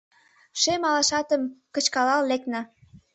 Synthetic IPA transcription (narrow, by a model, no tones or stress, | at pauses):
ʃemɑlɑʃɑt̪əmkət͡ɕkɑlɑlleknə̆